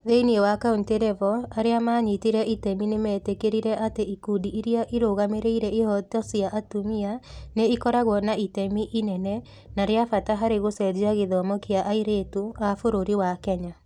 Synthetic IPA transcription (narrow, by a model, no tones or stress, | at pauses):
ðeiniewakaunteɾɛvɔaɾeamaːɲitiɾɛitɛminemɛːtekeɾiɾɛʔateʔikudiʔiɾiaʔiɾoɣameɾeiɾɛihɔtɔsiaʔatumianeikɔɾaɣwɔnaitɛmiʔinɛnɛ | naɾeafataɦaɾeɣosɛd͡ʑiaɣeðɔmɔkeaʔaiɾetuafoɾoɾiwakɛɲa